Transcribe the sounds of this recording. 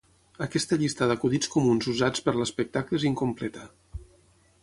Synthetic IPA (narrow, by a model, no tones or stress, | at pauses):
əkɛst̪əʎist̪əðəkuðit͡skumunzuzat͡spəɾləspək̚t̪akləziŋkumplɛt̪ə